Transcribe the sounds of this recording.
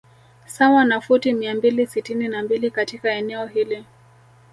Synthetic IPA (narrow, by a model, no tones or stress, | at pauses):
sawanafutimiambilisitininambilikatikaɛnɛɔɦili